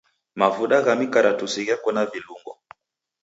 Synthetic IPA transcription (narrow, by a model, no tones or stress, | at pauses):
mavuɗaɣamikaɾatusiɣakɔnaviluŋɡɔ̰